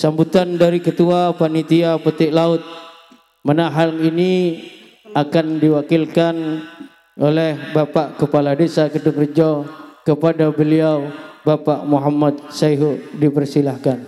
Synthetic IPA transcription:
sambut̪andaɾikət̪uapanit̪iapət̪ɪʔlaʊt̪̚ | manaɦalini | akandiwakɪlkan | ʔolɛhbapaʔkəpaladesakədurd͡ʒɔkəpadabəliawbapaʔmuɦamːad̪̚saɦudipərsilahkan

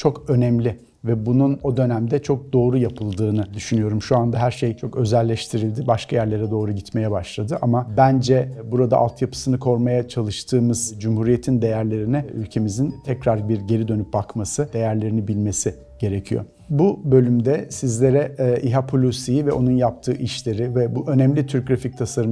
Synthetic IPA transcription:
t͡ʃʰo̞kø̞nɛmlʲɪ | vɛbununo̞d̪ø̞næmd̪ɛt͡ʃʰo̞k̚d̪o̞ːɾujapʰɯlˠd̪ɯːnɯd̪yʃynyjo̞ɾumʃuand̪aɦæɾʃejt͡ʃʰo̞kø̞zɛlʲːɛʃt̪ʰiɾilʲd̪ibaʃkʰajæɾlʲe̞ɾɛd̪o̞ːɾuɟit̪me̞jɛbaʃlˠad̪ɯʔamabænd͡ʒɛbuɾad̪a̰ʔa̰lˠt̪ʰjapʰɯ̥sɯnɯkʰo̞ɾmajat͡ʃʰalˠɯʃt̪ʰɯːmɯz̥d͡ʒumhuɾije̞t̪ʰind̪e̞jæɾlʲe̞ɾinɛylʲcʰe̞mizint̪ʰɛcɾaɾbiɾɟe̞ɾid̪ø̞nyp̚bakmasɯd̪e̞jæɾlʲe̞ɾinibilʲme̞si | ɟ̥e̞ɾecʰijo̞̰ | bubø̞lʲymd̪ɛsizlʲe̞ɾɛʔiɦapʰolʲusijivɛʔo̞nunjap̚t̪ʰɯːʔiʃlʲe̞ɾivɛbuʔø̞nɛmlʲit̪ʰyɾc̚ɾafic̚t̪ʰasaɾɯ

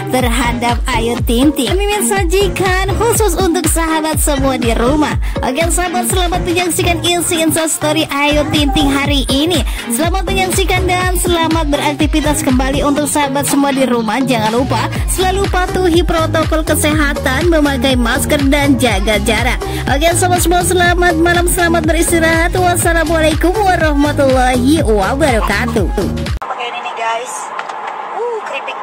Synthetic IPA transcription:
t̪ərɦadap̚ajut̪ːint̪ɪmiminsad͡ʒikanhusʊsunt̪ʊk̚saɦabat̪̚səmuadiɾumaha̰ɡansaɦabat̪̚səlamat̪̚məɲaksikanilsiinsast̪oɾiʔajut̪int̪ɪŋɦaɾiʔinisəlamat̪̚məɲaksikandansəlamat̪̚bəɾak̚t̪ifit̪askəmbaliunt̪ʊk̚saɦabat̪̚səmuadiɾumahd͡ʒaŋanlupa | səlalupat̪uɦipɾot̪okɔlkəseɦat̪anməmakaimaskərdand͡ʒaɡad͡ʒaɾat̪̚ | baɡiansabat̪səmuasəlamat̪̚malamsəlamat̪̚bəɾist̪iɾaɦat̪wasalamualakʊmwaɾɑhmat̪ulːɔɦiuabaɾɔkat̪uupakaininiɡajs | ukɾipik̚

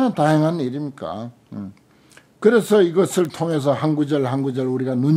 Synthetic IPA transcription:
ataɦeŋɦaniɾimɲik͈a̰ | kɯɾe̞sʰʌiɡʌsʰɯɭtʰoŋɦe̞s̬ʰʌɦanɡud͡ʑʌɭhanɡud͡ʑʌɭuɾiɡanuɲ

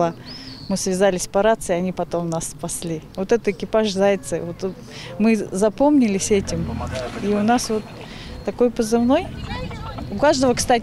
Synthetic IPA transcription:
amɨsvʲɪzalʲɪsʲpɐɾat̪sɨɐnʲipɐt̪o̞mnasːpɐsʲlʲivo̞t̪ɛt̪əɪkʲɪpaʐzajɪt̪sɨvot̪ | mɨzɐpo̞mnʲɪlʲɪsʲɛtʲɪmiʊnasvo̞t̪ː | ɐko̞jpəzɨvno̞j | ʊkaʐd̪əvəkst̪atʲ

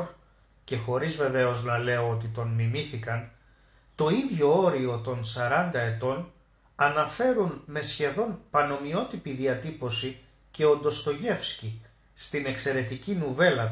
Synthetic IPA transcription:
ɾ | ce̞xo̞ɾizve̞ve̞o̞znɐle̞o̞ot̪it̪o̞nmimiθikɐn | t̪o̞iðʝo̞o̞ɾio̞t̪o̞nsɐɾɐnd̪ɐe̞t̪o̞n | ɐnɐfe̞ɾunme̞sçe̞ðo̞npɐno̞mio̞t̪ipiðiɐt̪ipo̞si | ce̞o̞nd̪o̞st̪o̞ʝe̞fsci | st̪ine̞kse̞ɾe̞t̪icinuve̞lɐ

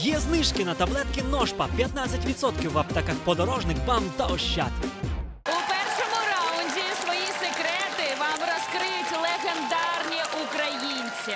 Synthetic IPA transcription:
jɛznɪʃkɪnɐt̪ɐblˠɛt̪kʲɪnɔʃpɐpʲjɐt̪nat͡sʲɐtʲʋʲid̪sɔt̪kʲiwɐpt̪ɐkaxpɔd̪ɔɾɔʒnɪkʋamt̪ɐɔʃːa̰t̪ | ʊpɛrʃɔmʊɾaʊnʲdʲisʋɔjisekɾɛt̪ɪʋamrɐskɾɪjʊtʲlˠeɣend̪arnʲiʔukɾɐjinʲt͡sʲi

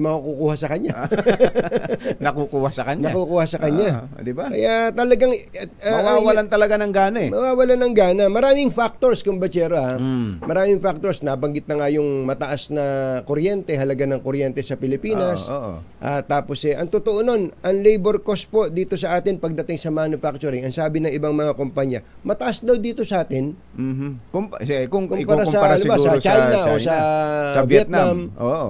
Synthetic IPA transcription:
mɐakukuːhasɐkɐɲa | nnɐkukuːhasɐkɐɲnɐakukuːhasɐkɐɲa | d̪ɪbakɐ̰jat̪ɐlɐɡaŋawalant̪ɐlɐɡanɐŋɡaːnɐɛmɐwaːwɐlanɐŋɡaːnɐmɐɾaːmɪŋfak̚t̪o̞ɹskʊŋbɐt͡ʃɛːɾɐhamɐɾaːmɪŋfak̚t̪o̞ɹsnabɐŋɡɪt̪̚nɐŋajʊŋmɐt̪ɐʔasnɐkoɾjɛnt̪ɛɦɐlɐɡanɐŋkoɾjɛnt̪ɛsɐpɪlɪpiːnɐsoʔʔaːt̪aːpo̞sɛʔɐŋt̪ʊt̪oʔono̞nʔɐŋlejbɛɾkos̚po̞d̪iːt̪o̞sɐʔaːt̪ɪnpɐɡ̚d̪ɐt̪ɪŋsɐmanʊfak̚t͡ʃʊɾɪŋɐŋsaːbɪnɐŋɪbaŋmɐŋakompaɲɐ | mɐt̪ɐʔasd̪ɐwd̪iːt̪o̞sɐʔaːt̪ɪn | m̩kkoŋkʊmpaːɾasɐanʊbasɐt͡ʃajnɐʔosɐvjɛt̪̚namʔoʔ

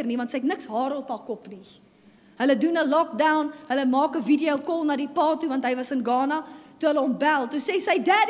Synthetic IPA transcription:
ərnivɐntsəjtnəksɦɑːɾəɔpɑːkɔpni | ɦələdunəlɔk̚dɐwnɦələmɑːkəvidiəwkɔlˠnɑːdipɑːtuvɐntɦəjvɐsənɡɑːnɐtuɦələɔmbælˠtusɛsəjdæd

